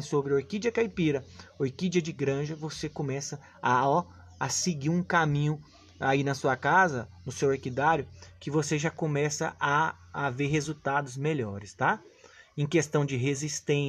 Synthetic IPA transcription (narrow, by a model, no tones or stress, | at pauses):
sobɾɪoɾkid͡ʒɐkajpiɾɐoɾkid͡ʒɐd͡ʒɪɡɾɐ̃ʒɐvosekõmɛsɐ | ɔ | ɐsɪɡiɾũkamĩɲʊ | ainɐsuɐkazɐnʊsewaɾkid̪aɾjʊkɪvoseʒakõmɛsɐʔaː | veɾɦezut̪ad̪ʊzmeʎɔɾɪst̪aẽj̃kest̪ɐ̃w̃d͡ʒɪɦezist̪ẽ